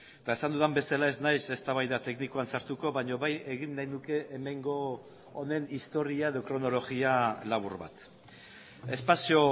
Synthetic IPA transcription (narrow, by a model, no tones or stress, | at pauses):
et̪aesand̪uðambe̞salae̞znajse̞st̪aβ̞ajðat̪e̞knikoansaɾt̪uko̞βaɲo̞βaje̞ɣinːajnuke̞ʔːme̞ŋɡo̞ː | ne̞nist̪o̞ɾiae̞ðo̞kɾo̞no̞lo̞ɣialaβuɾβa̰t̪ | e̞spasio̞